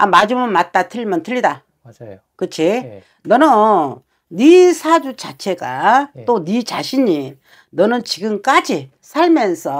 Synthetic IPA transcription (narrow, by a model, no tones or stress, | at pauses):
amad͡ʑumʌnmat̚t͈atʰɯɭimʌntʰɯʎːida | kɯt͡ɕʰi | nʌnʌ | nisʰad͡ʑut͡ɕat͡ɕʰe̞ɡat͈onit͡ɕaɕʰiɲi | nʌnɯnt͡ɕiɡɯmk͈ad͡ʑi | sʰaɭmjʌnsʰʌ